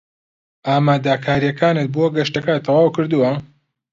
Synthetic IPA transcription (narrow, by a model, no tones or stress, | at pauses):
ʔaːmaːd̪akʰaːɾijɐkʰaːnɨt̪̚boɡɐʃt̪ɐkat̪ʰɑwaːwkɨɾd̪uwɐ